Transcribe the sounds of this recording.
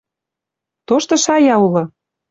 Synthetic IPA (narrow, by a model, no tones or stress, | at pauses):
t̪oʃt̪ɤ̆ʃɑjɑulɤ̆